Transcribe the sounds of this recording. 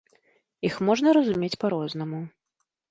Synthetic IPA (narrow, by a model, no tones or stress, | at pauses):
ixmɔʐnɐɾɐzumʲet͡sʲpaɾɔznɐmu